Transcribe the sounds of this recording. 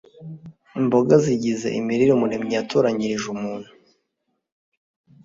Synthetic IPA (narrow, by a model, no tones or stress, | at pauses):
imbo̞ɡaziɟizḛʔḭmiɾiɾumuɾemɲiatʰuːɾaɲiɾiʒumuːn̥hu